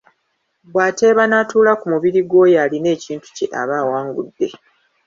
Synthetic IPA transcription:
bwaːte̞ːβanatuːlakumuβiɾiɡo̞jaline̞ːciːntu̥ceʔa̰βaːwaːŋɡṵdːe̞

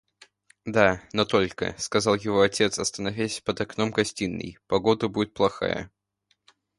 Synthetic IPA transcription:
d̪anot̪o̞lʲkə̰skɐzɑlˠjɪvoɐtʲe̞t̪sɐst̪ənɐvʲæsʲpəd̪ɐknomɡɐsʲtʲinːɨ̰jpɐɡo̞d̪əbudʲɪt̪̚plˠɐxa̰jə̰

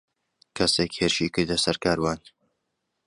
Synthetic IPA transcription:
kʰɐsekheːɾɨʃiːkɨɾd̪ɐsɐɾkaːɾwaːn

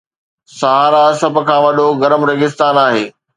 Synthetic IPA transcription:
sɐɦaːɾasɐb̆kʰãːʋɐɗoɡɐɾəmɾɐɡɪst̪aːnaːɦeː

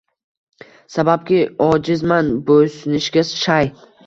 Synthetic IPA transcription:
sabap̚kʲɪɒd͡ʒɪzmanbɵsɪnɪʃɡʲasʃaj

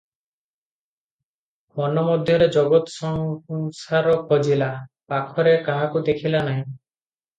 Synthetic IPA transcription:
mɔnɔmɔd̪ʱjɔɾed͡ʒɔɡɔt̪ɔ̥sɔŋsaɾɔkɦod͡ʒilapakʰɔɾekaɦakud̪ekʰilanaɦĩ

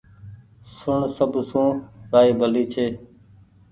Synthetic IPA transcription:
sʊɳsəbsũːɾaːiːbʱəliːt͡ʃʰeː

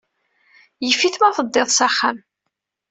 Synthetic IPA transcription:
jəfːiθmæθəd̪ˤːeðˤsæχːam

